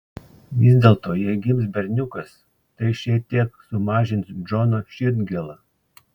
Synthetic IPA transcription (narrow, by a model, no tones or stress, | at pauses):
ʋʲɪzʲd̪ʲeːlˠt̪oːjɛɪɡʲɪmsbʲɛɾʲnʲʊkɐs | t̪ɐɪʃʲɛt̪ʲiɛksʊmɑːʒʲɪnt̪sd͡ʒɔnoːʃʲɪd̪ʲɡʲɛlˠɐ